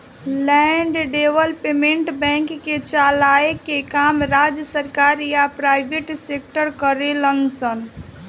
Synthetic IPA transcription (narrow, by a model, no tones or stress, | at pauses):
lɛɳɖɖeʋəlpemẽɳʈbɛ̃ŋkːet͡ʃalaekekamɾad͡ʒjəsəɾkaɾjapɾaɪbʱeʈsek̚ʈəɾkəɾeləŋsən